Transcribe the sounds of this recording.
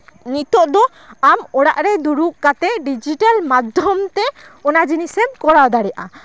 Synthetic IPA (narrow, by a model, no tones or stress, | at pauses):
nit̪ɔʔd̪ɔ | amɔɽaʔɾɛd̪uɾuʔkat̪ɛɖid͡ʒiʈalmad̪ʱjɔmt̪ɛɔnad͡ʒinisɛb̚kɔɽawd̪aɽɛjaʔa